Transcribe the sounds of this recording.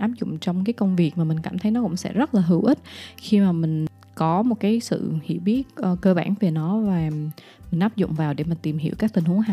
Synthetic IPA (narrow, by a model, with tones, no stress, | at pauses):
ʔaː˦˥p̚zʊ̰˧˨ŋ͡mt͡ɕɔ˧wŋ͡mkaː˨˦jkə˧wŋ͡mvi˨˩ək̚maː˨˩mï˨˩ŋ̟kaː˧˩mt̪ʰə˨˦jnɔ˨˦kʊ̰˧˥ŋ͡msɛ̰˧˥zə˦˥t̚laː˨˩ɦɨ̰˧˩wʔi˦˥t̚xi˧maː˨˩mï˨˩ŋ̟ | kɔ˨˦mo˨˩t̚kaː˨˦jsɨ̰˧˨hḭ˧˩wɓi˦˥ət̚ʔːkəː˧ɓaː˧˩nve˨˩nɔ˨˦vaː˨˩ | mï˨˩ŋ̟ʔaː˦˥p̚zʊ̰˧˨ŋ͡mvaː˨˩wɗe˧˩ma˨˩t̪i˨˩mhi˧˩əwkaː˦˥k̪̚ï˨˩ŋ̟hu˨˦ŋɦa˧˨